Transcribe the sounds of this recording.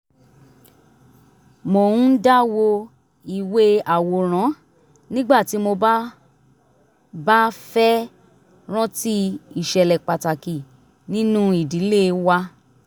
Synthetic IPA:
mo˨ũ˦da˦wo˧ | i˨we˧˦a˨wo˨ɾ̃ã˨˦ | nĩ˦ɡ͡ba˦˨ti˨˦mo˧ba˦ | ba˦fɛ˦ | ɾ̃ɔ̃˦ti˦i˦˨ʃɛ˨lɛ˨k͡pa˨ta˨ki˨ | nĩ˦nũ˦i˦˨di˨˦le˦wa˦

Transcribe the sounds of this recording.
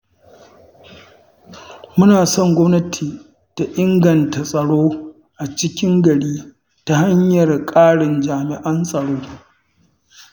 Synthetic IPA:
mʊ˦naː˨sɔ˦˨ŋɡʷɔ˦mnɐ˦tʰiː˨ | ta˨ʔɪ˦ŋɡɐ˨nta˨sʼɐ˨ɽoː˦ | ʔa˨t͡ʃɪ˦kʲɪ˦ŋɡɐ˨ɽiː˦ | ta˦ha˦ɲjɐ˨rkʼaː˦ɽɪ˨nd͡ʒaː˨mɪ˨ʔɐ˦nsʼɐ˨ɽoː˦

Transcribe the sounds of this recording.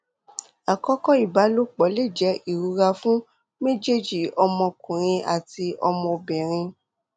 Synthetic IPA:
a˨kɔ˨˦kɔ˦i˨ba˨˦lo˦k͡pɔ˨˦le˦˨d͡ʒɛ˨˦i˦˨ɾu˨˧˦ɾa˧fũ˦ | mẽ˦d͡ʒe˦d͡ʒi˨ɔ˧mɔ̃˧kũ˨ɾ̃ĩ˧a˨ti˧ɔ̰˧mɔ̃˧bɛ˨ɾ̃ĩ˧

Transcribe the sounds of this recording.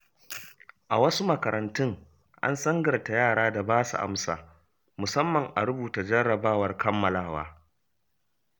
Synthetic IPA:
ʔa̰˨wɐ˦su˦mɐ˨kɐ˨ɾɐ˨ntʊ˦ŋ | ʔa̰˦nsɐ˦ŋɡɐ˨rta˨jaː˦˨ɽaː˦da˨baː˦sṵ˨ʔa̰˦msa̰ː˨ | mʊ˨sɐ˦mːɐ˨ŋʔa˨ɽʊ˦buː˨ta˨d͡ʒɐ˦ɽɐ˨baː˦˨wɐ˨˦rkɐ˦mːɐ˨laː˦waː˦

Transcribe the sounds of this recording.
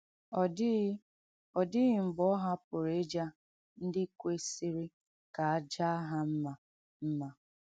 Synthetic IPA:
ɔ˨dɪ˦ | ɔ˨dɪ˦ɣɪ˨m̩˨ɡ͡bɔ˦ɦa˦pʊ˨ɾe˦d͡ʒa˦ | n̩˦dɪ˦kʷe˦si˦ɾi˦ | ka˨a˦d͡ʒa˦a˦ɦa˦m̩˦ma˨ | m̩˦ma˨

